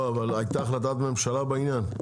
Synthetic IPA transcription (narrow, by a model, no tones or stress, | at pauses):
avalajt̪aːχlat̪aːt̪me̞mʃalabeinjan